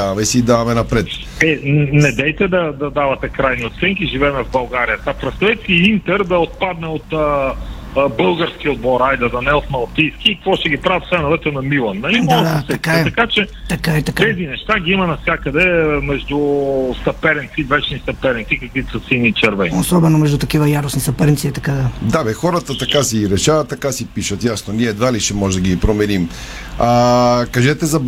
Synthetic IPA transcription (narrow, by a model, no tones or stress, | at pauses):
avɐmɛisid̪avɐmɛnɐpɾɛt̪ | ɛnɛd̪ɛjt̪ɛd̪ɐd̪ɐd̪avɐt̪ɛkɾajniot̪sɛŋk̟iʒivɛːmɛvbɐlˠɡaɾijət̪apɾɛst̪ɐɛt̪siint̪ɛɾd̪ɐot̪̚pad̪nɛot̪ə | bɤlˠɡəɾsk̟iod̪bɔɾajd̪ɛd̪ɐnɛot̪mɐlˠt̪ijskiːkɐkvɔʃt̪ɛɡʲipɾavɛt̪sɛnovɛt̪ənɐmilˠɐnːɐimɔsɛɛt̪ɐkat͡ʃɛt̪ɐkaɛt̪ɐkaɛzinɛʃt̪aɡʲiimɐnɐfsʲjakəd̪ɛmɛʒd̪ust̪ɐpɛɾɛnt̪sid̪vɛt͡ʃnisɐpɛɾɛnt̪ikɐkvit̪sɐsinit͡ʃɛɾvɛiosɔbɛnomɛʒd̪ut̪ɐkivɐjaɾosnisɐpɛɾnt̪siɛt̪ɐkad̪ad̪avɛxɔɾət̪ət̪ɐkasiɾɛʃavɐt̪ːɐkasipiʃət̪jasnoniɛd̪valiʃɛmɔʒɛd̪əɡʲipɾomɛɾim | akɐʒɛt̪ɛzɐ